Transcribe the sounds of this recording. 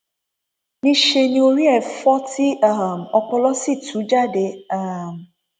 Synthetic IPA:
nĩ˦ʃe˧nĩ˦o˧ɾi˦ɛ˦˨fɔ˦ti˦a˦˨m̩˨ɔ˧k͡pɔ˧lɔ˦si˦˨tũ˨˦d͡ʒa˦˨de˧˦a˦˨m˨

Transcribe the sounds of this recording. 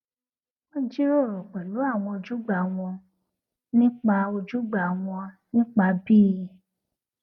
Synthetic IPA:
ɔ̃˦˨˦d͡ʒi˦ɾo˦˨ɾɔ̃˨k͡pɛ˨lo˨˦a˦˨w̃ɔ̃˧o˧˨d͡ʒu˦ɡ͡ba˨w̃ɔ̃˧ | nĩ˦k͡pa˧o˧d͡ʒu˦ɡ͡ba˨w̃ɔ̃˧nĩ˦k͡pa˧bi˦i˧˨

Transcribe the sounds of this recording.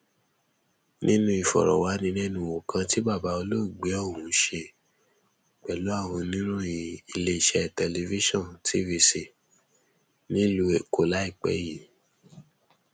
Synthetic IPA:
nʔĩ˦nũ˧˦i˨fɔ̰˨ɾɔ̰˨wa˨˦nĩ˧nɛ̃˦nũ˧wo˨kʰã˧ti˦ba˦˨ba˨˦o˧lo˦˨ɡ͡bɛ˨˦ɔ˦˨wũ˨˦ʃe˧ | k͡pɛ˨lo˨˦a˦˨w̃ɔ̃˧nĩ˦nũ˦i˨i˧le˧i˨ʃɛ˧˨tɛ˧li˧vi˦ʃɔ̃˦˨ntʰi˦vi˧si˧˨ | nĩ˦lu˧˦e˨ko˨˦la˦i˦˨k͡pɛ̰˦ji˨

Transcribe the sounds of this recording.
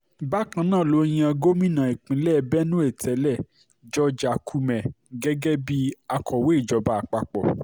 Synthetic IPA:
ba˦kã˧nãː˦˨lo˧˦˧j̃ĩ˧a˧ɡo˦mĩ˦nã˨e˨k͡pĩ˨˦lɛ˦˨bɛ˦nũ˦e˦˨tʰɛ˨˦lɛ˦˨ | d͡ʒɔ˦d͡ʒa˨kʰu˧mɛ̃˨ | ɡɛ˦ɡɛ˦bi˦a˧kʰɔ˨we˦i˦˨d͡ʒɔ˨˧ba˦a˧˨k͡pa˧k͡pɔ̰˨

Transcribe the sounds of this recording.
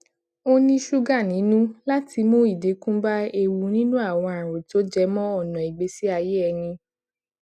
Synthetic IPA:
o˦nĩ˦ʃu˦ɡã˦˨nĩ˨˦nũ˦la˦ti˧mõ˦i˦˨de˨˦kũ˦ba˦e˧wu˧nĩ˦nũ˦a˦˨w̃ɔ̃˧a˨ɾ̃o˨to˦d͡ʒɛ˧˦mɔ̃˦ɔ˦˨nɔ̃˨i˨ɡ͡be˨˦si˦a˧je˦ɛ˧nĩ˧

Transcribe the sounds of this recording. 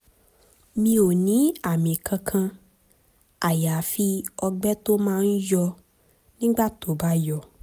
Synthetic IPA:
mĩ˧o˨nĩ˨˦a˦˨mĩ˨kʰã˧kʰã˧ | a˨ja˨˦fi˦ɔ˧ɡ͡bɛ˦to˦mãː˦˧n̩˦jɔ˧ | nĩ˦ɡ͡ba˦˨to˨˦˨ba˦jɔ˧˨

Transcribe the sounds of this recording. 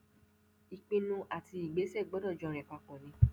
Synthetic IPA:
i˨k͡pĩ˧nũ˧ʔa˨ti˧i˨ɡ͡be˨˦sɛ˦˨ɡ͡bɔ˨˦dɔ˦˨d͡ʒɔ̃˨˧˨ɾ̃ɛ̃˨k͡pa˧kɔ̃˨nĩ˧

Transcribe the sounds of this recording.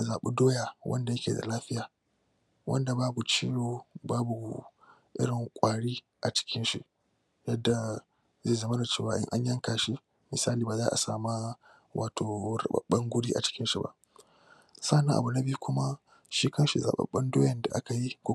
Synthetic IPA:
a˨zaː˨ɓṵ˦doː˦ja˨wʔɐ̰˦nda˨jɐ˦kʲḛː˨da̰˨laː˦ɸɪ˦jaː˨ | wʔɐ̰˦nda˨baː˦bu˨t͡ʃiː˦ɽoː˨baː˦bu˨ | ʔɪ̰˦ɽɪ˨ŋkʷʼaː˨ɽiː˦ | ʔa˨t͡ʃɪ̥˦kʲʰɪ˦nʃḭ˨ | jɐ˦dːa˨ | ze˦˨zɐ˦mɐ˦na˨t͡ʃeː˦˨waː˨ʔɪ̰˦ŋʔa˦ɲjɐ˦ŋkaː˨ʃi˦ | mɪ˨saː˦liː˨baː˨zaː˦ʔa̰˨saː˨ma˦ | wʔaː˨tʰoː˨ɾɐ̰˨ɓɐ̰˨ɓɐ˦ŋɡʷʊ˦ɽiː˦ʔa̰˨t͡ʃɪ̥˦kʲɪ˦nʃi˨ba̰˦ʔ | sa˦˨nɐ˦ʔa̰˨bu˨nɐ˦bi˦u˦kʷʊ˦ma˦ | ʃiː˦kɐ˦ʃi˨za̰ː˨ɓɐ̰˦˨ɓɐ˦ndoː˦jɐ˨nda˨ʔa˦ka˨ji˦kʷo˦

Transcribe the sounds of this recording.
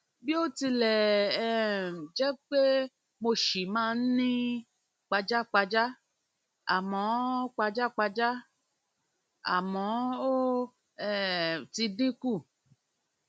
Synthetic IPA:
bi˦o˦ti˧lɛ˨ | d͡ʒɛ˦k͡pe˦ | mo˧ʃi˨mãː˦˧˦n̩˦nĩ˦ | k͡pa˧d͡ʒa˦k͡pa˧d͡ʒa˦ | a̰˨mɔ̃˨˦k͡pa˧d͡ʒa˦k͡pa˧d͡ʒa˦ | a̰˨mɔ̃˨˦o˦ | ɛ˦ti˧dĩ˦ku˦˨

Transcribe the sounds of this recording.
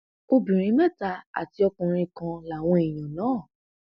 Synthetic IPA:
ko˧bĩ˨ɾ̃ĩ˨˦mɛ˦˨ta˧a̰˨ti˧ɔ˧kũ˨ɾ̃ĩ˧kã˧la˨w̃ɔ̃˧e˨j̃ã˨nãː˨˦˨

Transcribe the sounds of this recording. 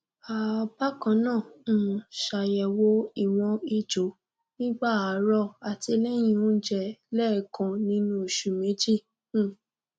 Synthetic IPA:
a˨ba˦kã˧˦nãː˦˨ | ʃa˨jɛ˨wo˧˦i˨w̃ɔ̃˧i˨d͡ʒo˨˦ | nĩ˦ɡ͡ba˦˨a˨˦ɾɔ˦˨a˨ti˧lɛ˦j̃ĩ˧õ˦d͡ʒɛ˧˨lɛ˦˨kã˨nĩ˧˦nũ˦i˨ʃu˨mĩ˨˦d͡ʒĩ˦˨˦

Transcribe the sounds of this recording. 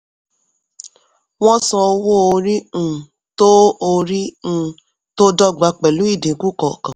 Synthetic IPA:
w̃ɔ̃˦sɔ̃˧o˧wo˦o˧ɾi˦ũ˦˨ | to˦o˧ɾi˦ũ˦˨ | to˦dɔ˦˨ɡ͡ba˧˦k͡pɛ˨lu˦i˦˨dĩ˨˦ku˦kɔ˦˨kã˨

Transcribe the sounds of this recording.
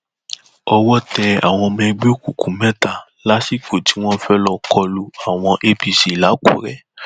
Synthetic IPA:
ɔ˧wɔ˦tɛ˧a̰˨w̃ɔ̃˧mɛ̃˧ɡ͡be˦o˦˨ku˨kũ˨˦mɛ̃˦ta˦˨ | la˦si˦˨ko˨ti˨˦w̃ɔ̃˦fɛ˦lɔ˧kʰɔ˧lu˧a˨w̃ɔ̃˧ʔe˦bi˨si˨la˨˦ko̰˦˨ɾɛ˦

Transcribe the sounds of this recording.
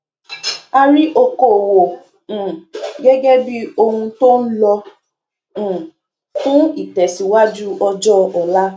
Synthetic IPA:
a˧ɾi˦ʔo˧ko˨wõ˨ | ɡɛ˦ɡɛ˦bi˦o˧hũ˧to˦n̩˦lɔ̃˧˨ | kũ˦i˨tɛ˨si˨wa˦d͡ʒu˦ɔ˧d͡ʒɔ˦ɔ˨la˦

